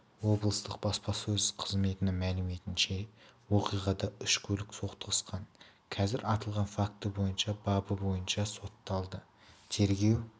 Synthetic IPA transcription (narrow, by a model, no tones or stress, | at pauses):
wo̞blˠəst̪əq̚bɑspɑsɵzqʰəzme̞t̪ɪnɪmælɪme̞t̪ɪnʃe̞woqijʁɑd̪ɑʏʃkʲʰɵlɪkso̞qt̪əqəsqɑn | kʲʰɑzɪɾɑt̪əlˠʁɑnfak̚t̪əbo̞jənʃɑbɑbəbo̞jənʃɑso̞t̪ːɑlˠd̪ə | t̪ʰe̞ɾɡʲe̞w